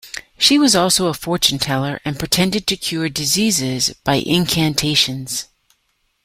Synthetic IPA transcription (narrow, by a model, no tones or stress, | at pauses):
ʃiwʌzɔlˠsoʊəfɔɹt͡ʃɨ̃n̩tʰɛlˠə˞ʔɨ̃npʰɹ̥ɨtʰɛ̃ndɨd̚tʰɨkʰj̥ʊɹdɨzizɪzb̥aɪʔɪ̃nkʰæ̃ntʰeɪʃɨ̃nz̥